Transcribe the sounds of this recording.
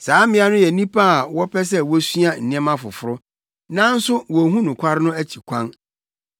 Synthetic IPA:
saː˨˦mɪ̃˨˦a˦nʊ̃˦jɛ˨nĩ˦pʰa˦a˨wɔ˦pʰɛ˦s̬ɛ˦wɔ˦sɥa˦n̩˨nĩ˦ɛ˦mã˦fʊ̰˨fʊ˦ɾʊ˦ | nã˦n̩˦sʊ˦wɔ˨ɦũ˦nʊ̃˨kʷʰa˦ɾɪ˦nʊ̃˦æ˦t͡ɕʰi˨kʷʰã˦n

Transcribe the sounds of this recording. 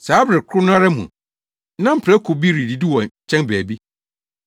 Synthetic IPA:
saː˨˦bɾɪ˨kʰʊ˦nʊ̃˦a˦ɾa˦mṵ̃˨ | nã˦m̩˨pʰɾɛ˦kʰʊ˨bi˦ɾi˨di˨di˦wɔ̃˨t͡ɕʰɛ̃˦nbæː˨bi˦

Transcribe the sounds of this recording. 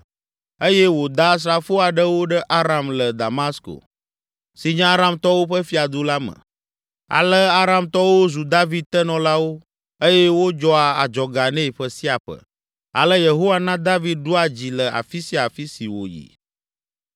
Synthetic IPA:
e˦jɛ˦wo˨d̪a˦s̬ɾa˨fo˦a˨ɖə˦wo˦ɖə˦ʔa˦ɾa˨mlə˨d̪a˨ma˦sko̰˨ | si˨ɲã˦a˦ɾa˦mt̪ɔ˦wo˦ɸə˦fi˦a˨d̪u˦la˦mə̰̃˨ | a̰˨lə˦a˦ɾa˨mt̪ɔ˦wo˦zu˨d̪a˦vi˦d̪̚t̪ɛ˦nɔ̃˨la˦wo˦ | e˦jɛ˦wo˦d͡ʒɔ˦a˨a̰˨d͡ʒɔ˨ɡa˨nɛ̃˦i˨ɸə˦si˦a˨ɸə̰˦ | a̰˨lə˦je˨ɦo˦wa˦nã˦d̪a˦vi˦d̪̚ɖu˦a˨d͡ʑi˨lə˨a̰˨fi˦si˦a˨fi˦si˨wo̰˨jḭ˨

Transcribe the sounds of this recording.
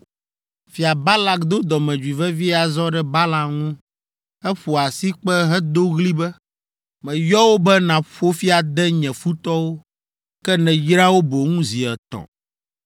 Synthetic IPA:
fi˨a˨ba˦la˨kd̪o˦d̪ɔ˨mɛ̃˨d͡ʒwi˨vɛ˦vi˦a˨zɔ˦ɖɛ˦ba˦la˨ŋũ˦ | ɛ˦ɸo˨a˨si˦k͡pɛ˦ɦɛ˦d̪o˦ɣli˦bɛ˦ | mɛ̃˨jɔ˦wo˦bɛ˦nã˨ɸo˦fi˦a˨d̪ɛ˦ɲɛ̃˨fu˦t̪ɔ˦wo˦ | kkɛ˦nɛ̃˨jɾa˦wo˦bo˨ŋũ˦zi˨ɛ˨t̪ɔ̰̃˨

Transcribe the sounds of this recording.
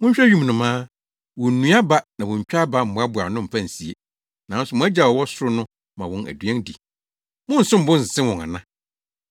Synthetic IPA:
mʊ̃˦ɲ̩˦ɕᶣɛ˦ɥũ˦m˨nʊ̃˨mãː˦ | wɔ̃˨n̩˨nũ˦a˦ba˦nã˨wʊ̃˨ɲ̩˨t͡ɕᶣa˦ba˦m̩˨bʊ̃˨˦a˦bʊ˨a˨nʊ̃˦m̩˨pã˦˨si˨e˦ | nã˨˦n̩˦sʊ˨mʊ̃˦æ˦d͡ʑa˨wɔ˨wɔ˦sʊ˦ɾʊ˦nʊ̃˦ | mã˨wɔ̃˨næ̰˨dɥɛ̃˦ndḭ˨ | mʊ̃˦n̩˨sʊ̃˦m̩˨bʊ̃˦n̩˨s̩˨sɪ̃˦wʊ̃˨ŋa̰˨nã˦

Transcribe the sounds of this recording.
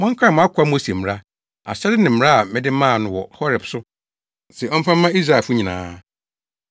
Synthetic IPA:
mɔ̃˦ŋ̩˦kʰa˦˨ʊ̃˨a˦kʷʰa˦mo˦si˨e˨m˨ɾa˦ | a̰˨ɕɛ˦dɪ˦nɪ̃˨m̩˨˦ɾa˦a˨mɪ̃˦dɪ˦mãː˦˨nʊ̃˦wɔ̰˨hɔ˦ɾɛ˨bsʊ˦ | sɛ˨ɔ˦m̩˦fã˦m̩ː˦ã˦i˦sɾa˨fʊ˦ɲĩ˨nã̰ː˨˦

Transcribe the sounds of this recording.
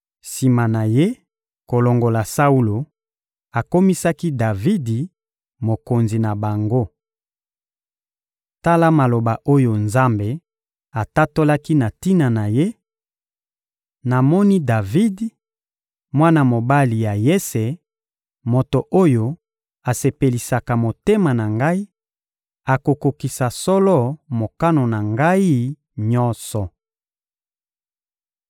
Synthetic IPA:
si˨ma˨na˨je˦ | ko˨lo˨ŋɡo˨la˨sa˦u˦lo˨ | a˨ko˦mi˦sa˦ki˦da˨vi˦di˨ | mo˨ko˨nzi˨na˨ba˨ŋɡo˦ | ta˦la˦ma˨lo˨ba˨ʔo˦jo˨nza˦mbe˨ | a˨ta˦to˦la˦ki˦na˨ti˦na˨na˨je˦ | na˨mɔ˦ni˦da˨vi˦d | mwa˦na˨mo˨ba˦li˨ja˨je˦se˨ | mo˨to˨ʔo˦jo˦ | a˨se˨pe˨li˨sa˨ka˨mo˨te˦ma˨na˨ŋɡa˦i˦ | a˨ko˨ko˨ki˨sa˨sɔ˦lɔ˦mo˨ka˦no˨na˨ŋɡa˦i˦ | ɲɔ˦nsɔ˨

